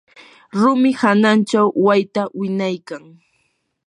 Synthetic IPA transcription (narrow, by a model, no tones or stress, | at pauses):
ɾʊmɪhanant͡ʃawwajt̪awɪɲajkaŋ